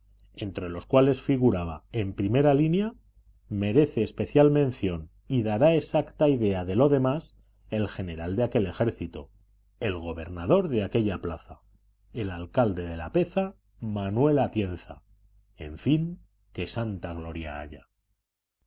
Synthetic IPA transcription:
e̞nt̪ɾe̞lo̞skwale̞sfiɣ̞uɾaβ̞a̰e̞mpɾime̞ɾalinja | me̞ɾe̞θe̞ːspe̞θjalmẽ̞nθjo̞n | iðaɾae̞sakt̪aiðe̞aðe̞lo̞ðe̞mas | e̞lxe̞ne̞ɾald̪eake̞le̞xe̞ɾθit̪o̰ | e̞lɣo̞βe̞ɾnað̞o̞ɾðeake̞ʎaplaθa | e̞lalkald̪e̞ðe̞lape̞θa | manwe̞lat̪je̞nθa̰ | e̞̰ɱfiŋ | ke̞sant̪aɣ̞lo̞ɾja̰a̰ʎa

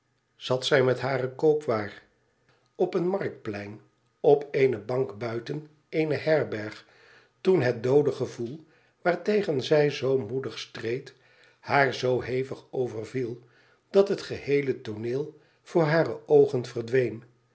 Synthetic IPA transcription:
z̥ɑtsɛjmɛtɦaːrəkowpʋaːr | ɔpənmɑɹk̚t̚plɛjn | ɔpejnəbɑŋkbœɥtən | ejnəɦɛɹbɛɹχ | tunɦət̚dowdəχəvulˠ | ʋaːɹtejχənzɛjzowmudəχstrejt | haːɹzowɦejfəχowvəɹvilˠ | d̥ɑtɦətχəhejlətonɪːlˠ | v̥ʊːɹɦaːrəowχənv̥əɹdʋejn

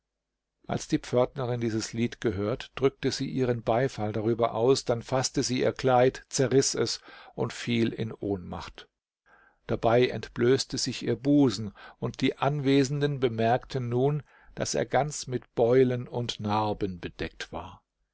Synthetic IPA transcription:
ʔa̰lsd̥iːp͡fœɐtnɐʁɪndiːzəsliːtɡ̥əɦøːɐtd̥ʁʏk̚təziːʔiːʁ̞ənbaɪfaldaʁ̞yːbɐ̰ʔa̰ʊsd̥anfastəziːʔḭːɐkl̥aɪtt͡sɛɐʁɪsɛsʔʊntfiːlɪ̰nʔoːnma̰χt | d̥abaɪʔɛ̰ntb̥løːstəzɪçʔiːɐbuːzn̩ʔʊnt̚d̥iːʔanveːzn̩dənbəmɛɐktʰənːuːn | d̥a̰sḛːɐɡant͡smɪtb̥ɔʏlənʊntnaɐbənbəd̥ɛk̚tv̥a̰ːɐ

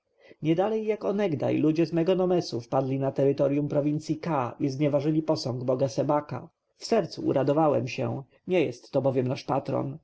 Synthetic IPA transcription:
ɲɛd̪alɛjːakɔnɛɡd̪a̰jlud͡ʑɛzmɛɡɔnɔmɛsufpad̪lʲinat̪ɛɾɘt̪ɔɾjumpɾɔvʲint̪sʲjikaʔizɲɛvaʐɘlʲipɔsɔŋɡbɔɡasɛbaka̰ | fsɛɾt̪suʔṵɾʔad̪ɔvawɛ̰mɕɛ̰ | ɲɛjɛst̪ːɔbɔvʲjɛmnaʂpat̪ɾɔ̰n

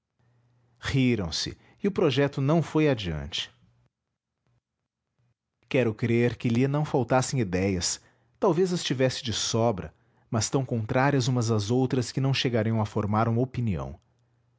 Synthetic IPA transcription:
hiɾɐ̃w̃sɪ̰ | ɪʊpɾoʒɛt̪ʊnɐ̃w̃fojad͡ʒiɐ̰̃nt͡ʃɪ̥ | kɛɾʊkɾeɾkɪliɐnɐ̃w̃fawt̪asẽj̃id̪ɛjɐs | t̪awvezɐst͡ʃivɛsɪ̥d͡ʒɪsɔbɾɐ̰ | mɐst̪ɐ̃w̃kõnt̪ɾaɾiɐzũmɐzɐzowt̪ɾɐskɪnɐ̃w̃ʃeɡaɾijɐ̃w̃ɐfoɾmaɾũmɐopiniɐ̰̃w̃

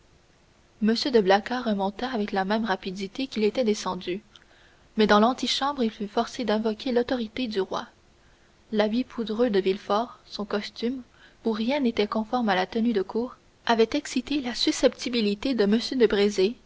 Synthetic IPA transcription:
məsjød̪əblakaʁəmɔ̃t̪aːvɛklamɛ̃mʁapid̪it̪ekʲilet̪ɛd̪esɑ̃d̪y | mɛd̪ɑ̃lɑ̃t̪iʃɑ̃bʁilfyfɔʁsed̪ɛ̃vɔkʲelɔt̪ɔʁit̪ed̪yʁwa̰ | labipʰud̪ʁød̪əvilfɔʁsɔ̃kɔst̪ym | uʁjɛ̃net̪ɛkɔ̃fɔʁmalat̪ənyd̪əkʰuːʁ | avɛt̪ɛksit̪elasysɛpt̪ibilit̪ed̪əməsjød̪əbʁeze

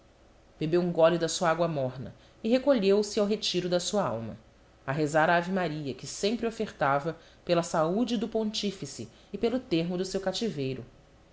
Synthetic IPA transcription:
b̥ebewũŋɡɔlid̪ɐsuɐaɡwɐmɔɾnɐ̰ | ɪɦekoʎewsɪawɦet͡ʃiɾʊd̪ɐsuɐa̰wmɐ̰ | aɦezaɾɐavimaɾiɐkɪsẽmpɾɪofeɾt̪avɐ | pelɐsaud͡ʒɪd̪ʊpõnt͡ʃifisɪː | pelʊt̪eɾmʊd̪ʊsewkat͡ʃivejɾʊ

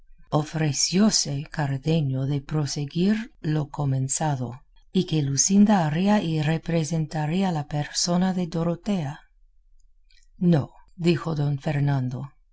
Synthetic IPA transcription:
ofɾesjosekaɾðeɲoðe̞pɾo̞seɡiɾlo̞komẽnsaðo̰ | ikelusind̪aːɾiairepɾesent̪aɾialapeɾso̞naðe̞d̪o̞ɾot̪e̞a | nod̪ixo̞ðo̞nfeɾnand̪o̞

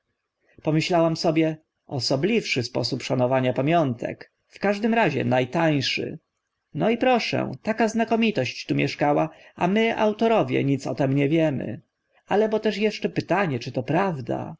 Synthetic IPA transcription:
pɔmɘɕlawamsɔbʲjɛ | ɔsɔblʲifʂɘspɔ̰supʂanɔvaɲapamʲjɔnt̪ʰɛ̰k | fkaʐd̪ɘmɾaʑɛ̰najt̪aj̃ʂɘ̰ | nɔipɾɔʂɛ̰̃t̪akaznakɔmʲit̪ɔɕt͡ɕt̪umʲjɛʂkawaamɘa̰wt̪ɔɾɔvʲjɛ̰ɲit̪sɔ̰t̪ɛmɲɛvʲjɛmɘ̰ | alɛbɔt̪ɛʂjɛʂt͡ʂɛpɘt̪aɲɛt͡ʂɘt̪ɔpɾavd̪a̰

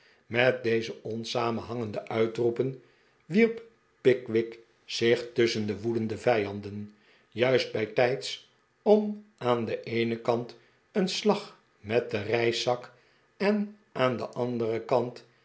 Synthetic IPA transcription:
mɛt̚dejzəɔnsaːmənɦɑŋəndəʔœɥtrupən | ʋiɹp | pɪkʋɪk | sɪχtɵsəndəʋudəndəvɛjɑndən | jœɥsd̚bɛjtɛjts | ɔmaːndəʔejnəkɑnt | ənslɑχ | mɛt̚dərɛjsɑk | ɛn | ʔaːndəʔɑndərəkɑnt

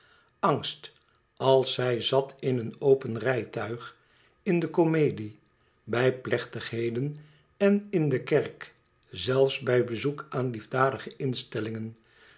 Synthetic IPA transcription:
ɑŋst | ɑlˠsɛjzɑtʰɪnənowpənrɛjtœɥχ | ɪndəkomejdi | bɛjplɛχtəχɦejdən | ɛnɪndəkɛrk | zɛlˠfsbɛjbəzukʔaːnlivdaːdəχəɪnstɛlɪŋən

